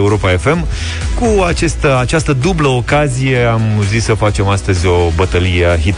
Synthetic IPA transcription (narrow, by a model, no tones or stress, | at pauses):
uɾo̞pae̞fe̞m | kuat͡ʃe̞st̪əat͡ʃast̪əd̪ubləokazije̞amuzissəfat͡ʃe̞mast̪əzʲo̞bət̪əlijeɦit̪